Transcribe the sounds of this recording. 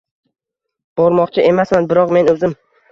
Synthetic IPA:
b̥ɒɾmɒqt͡ʃʰɪʔe̞masmanbɪɾɒqme̞nɵzɪm

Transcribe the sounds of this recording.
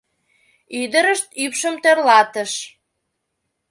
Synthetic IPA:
yd̪əɾəʃt̪ypʃəmt̪ørlɑt̪əʃ

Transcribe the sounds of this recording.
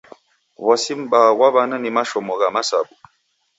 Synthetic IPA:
wasim̩bawaβananimaʃɔmɔɣamasa̰bu

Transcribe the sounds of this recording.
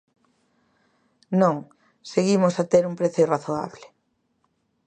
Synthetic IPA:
nõŋ | seɣimosat̪eɾumpɾeθoeraθoa̰βlɪ

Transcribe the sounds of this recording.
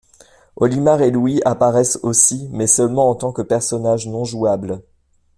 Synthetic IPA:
ɔ̰limaʁelwiapaʁɛsosimɛsœlmɑ̃ɑ̃t̪ɑ̃kəpɛʁsɔnaʒnɔ̃ʒuabl

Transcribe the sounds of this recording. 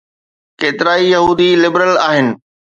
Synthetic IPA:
keːt̪ɪɾaːijɐɦuːd̪ilɪbɾəlaːɦɪnɪ̆

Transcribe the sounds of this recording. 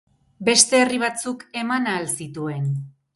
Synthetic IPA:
be̞st̪e̞ːriβ̞at͡suke̞manaːlsit̪ue̞n

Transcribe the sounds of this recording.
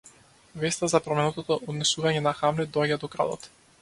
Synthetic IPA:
vɛst̪azapɾɔmɛnɔt̪ɔt̪ɔʔɔd̪nɛsuvaɲɛnaxamlɛd̪ɔaɟad̪ɔkɾa̰d̪ɔ̰t̪

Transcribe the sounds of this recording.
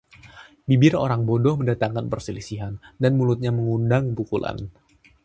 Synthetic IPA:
bibɪro̰ɾaŋbodɔhməndat̪aŋkanpərsilisiɦandanmulut̪̚ɲaməŋundaŋpukula̰n

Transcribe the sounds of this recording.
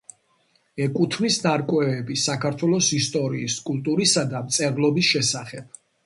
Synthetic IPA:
ɛkʼut̪ʰmisnaɾkʼwɛːbisakʰaɾt̪ʰwɛlˠɔsist̪ʼɔɾiːskʼulˠt̪ʼuɾisad̪amt̪sʼɛvlˠɔbisʃɛsaχɛb̥̚

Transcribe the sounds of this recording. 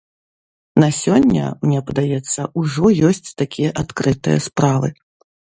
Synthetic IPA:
nɐsʲɔnʲːɐ̰mnʲɛpɐd̪ajɛt̪sːɐʔuʐɔjɔsʲt͡sʲt̪akʲijɐʔat̪kɾɨt̪ɨ̰jɐ̰spɾavɨ

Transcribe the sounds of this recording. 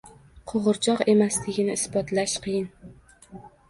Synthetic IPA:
qʰoʁʊɾt͡ʃʰɒqe̞maslɪɡʲɪnɪɪsbɒt̪laʃqʰɨjɪn

